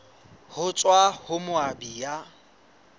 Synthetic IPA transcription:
hʊt͡sʼwahʊmʊabiːja

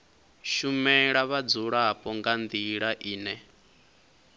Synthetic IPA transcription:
ʃumɛɺaβad͡zuɺapʼɔŋɡand̪iɺaʔiːnɛ

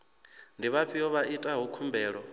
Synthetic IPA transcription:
ndiβaɸʰijɔβaʔitʼaɦukʰumbʱɛːɺɔ

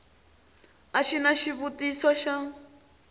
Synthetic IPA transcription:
aʃinaʃiβutiswaʃa

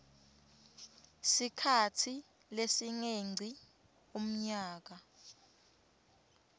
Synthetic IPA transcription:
sikʰatʰi | lesiŋeŋ͡ǀʱi | um̩ɲaːk̬a

